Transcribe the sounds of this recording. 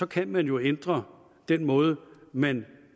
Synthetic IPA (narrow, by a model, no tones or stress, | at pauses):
sɒ̽kʰænmænjo̝end̥ʁɐ | d̥en̰mɔ̽ːð̞ˠəmæn